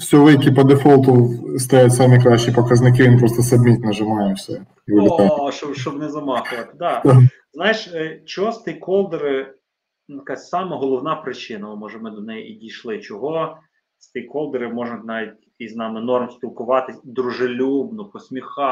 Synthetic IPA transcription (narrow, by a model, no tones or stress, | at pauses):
sʲɔʋɪjʲkʲipɐd̪efɔlˠt̪ɔst̪ɐjatʲsɛmʲikɾɑʃt͡ʃipɔkɐznɪk̬ɪʋʲinpɾɔst̪ɔsɐbʲmʲit̪ʲnɐʒɪmɑjɛwsʲɛ | ʋɪlʲɪt̪aʃɔbʃt͡ʃɔbnɛzɐmɑxʊʋɐt̪ɪ̥d̪ɑ | znɑjɪʃt͡ʃɔɦɔst̪ikɔlˠd̪eɾɪ | njkasʲsɑmɐɦɔlˠɔwnɑpɾɪt͡ʃɪnɐʊmɔʒɛmɪd̪ɔnɛjiidʲijʃlˠɪt͡ʃɔɦɔ | st̪ikɔlˠd̪eɾɪmɔʒnnɑʋʲit̪ʲkijznɑmɪnɔrmsʲpʲilˠkʊʋɑt̪ɪd̪ɾʊʒɪlʲubnʊpɔsʲmʲixɑ